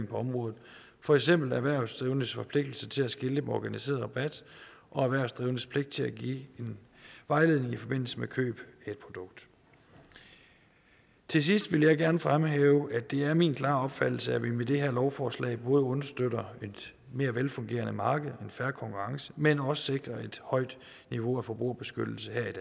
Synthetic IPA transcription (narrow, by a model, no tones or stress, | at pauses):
ŋ̩pʰɒ̽ɒ̽mʁɔ̽ːð̩ˠ | fɒ̽eɡ̥sem̰b̥l̩æʋæɐ̰sd̥ʁiːʊənəsfɒ̽pʰle̝ɡ̥̚d̥l̩sət͡sʰe̝læsɡ̥e̝lenɒɡ̥ænise̝̰ɐðˠʁɑ̈b̥æd̥ | ʔɒ̽æʋæɐʊsd̥ʁiːʊnəspʰle̝ɡ̥̚d̥̚t͡sʰe̝æɡ̥ḭːe̝nʋɑ̈ɪle̝ðˠne̝ŋifɒ̽b̥e̝n̰l̩səmekʰø̰ːb̥e̝̥pʰʁod̥ɔ̽ɡ̥d̥ | t͡sʰe̝s̬isd̥ʋe̝ləjɑ̈ɪɡ̥æɐnəfʁamɦeːʊæd̥e̝æɐminkʰlɑ̰̈ːɒ̽b̥fæd̥l̩səæʋimed̥e̝ɦeɐ̰lɒʊfɒːslɛ̰ɪb̥ɔ̽ːð̩ˠɔ̽nɐsd̥øɾ̥ɐed̥ | me̝ːɐʋelfɔ̽ŋɡ̥e̝̰ːɐnəmɑ̈ːɡ̥əð̞̩ˠe̝nfæɐkʰɒ̽ŋkʰuʁɑ̈ŋsə̥menɒ̽sə̥se̝ɡ̥ʁɐe̝d̥hɒ̽ɪ̰d̥ | niʋo̝æfɒ̽b̥ʁṵɐb̥e̝sɡ̥ød̥l̩səheɐ̰id̥ɛː